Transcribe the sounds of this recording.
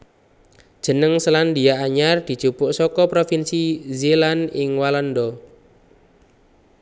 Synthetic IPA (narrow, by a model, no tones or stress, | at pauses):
d̥ʒ̥ə̤nəŋsəland̪ijaʔaɲard̪̥i̤̥t͡ʃupʊʔsɔkɔpɾofinsizelanɪŋwalɔnd̪ɔ